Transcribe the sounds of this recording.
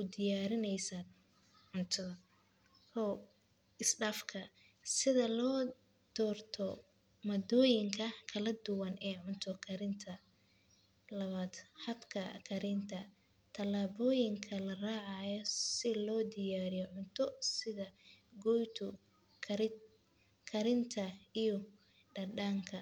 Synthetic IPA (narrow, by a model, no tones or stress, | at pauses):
ʊd̪ɪjaːɾɪnɛjsaː | ʕʊnt̪ʰɐðɐ | kʰɔ | ɪsɖaːfkʰɐ | sɪðɐlɔː | d̪̥ɔːrt̪ʰɔ | mɐd̪ɔːjɪŋkʰɐkʰɐlɐd̪ʊwɐnɛːʕʊnt̪ʰɔkʰɐɾɪnt̪ʰɐ | lɐβaːd̪̥ħɑd̪kʰɐkʰɐɾɪnt̪ʰɐ | t̪ʰɐlaːβɔːjɪŋkʰɐlɐraːʕɑjɔsɪlɔːd̪ɪjaːɾɪjɔʕʊnt̪ʰɔsɪðɐɡɔjt̪ʰʊ | kʰ | kʰɐɾɪnt̪ʰɐijɔ | ɖɐɖaːŋkʰɐ